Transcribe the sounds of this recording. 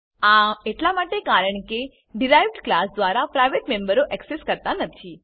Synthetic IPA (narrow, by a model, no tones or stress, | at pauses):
ãeʈlamaʈekaɾəɳke | ɖiɾajʋɖklasd̪ʋaɾapɾajʋeʈmembəɾoʔɛkseskəɾt̪anət̪ʰi